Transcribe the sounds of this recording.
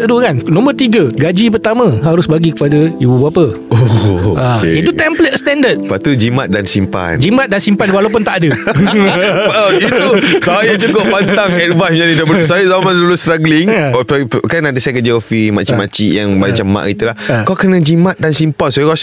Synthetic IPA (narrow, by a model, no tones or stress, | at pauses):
dukannõmərt̪iɡəɡad͡ʒip̬ərt̪amãɦaɾʊsbaɡikəpadajububuapə | ooʔakḛit̪ut̪ɛmplət̪̚st̪ɛndət̪̚pat̪ud͡ʒimat̪̚dansimpa̰nd͡ʒimat̪̚dansimpanwalawp̬ʊnt̪aʔadə | aoit̪usajat͡ʃukoʔpant̪aŋɛd̚vajsiɲãnĩdabəsajazamansdulʊst̪ɾaɡliŋ | kanãnt̪isajkəd͡ʒaɔfimat͡ʃimat͡ʃijaŋmat͡ʃamːã̰ʔkit̪ulakawkənãd͡ʒimãt̪̚dansimpansokɔs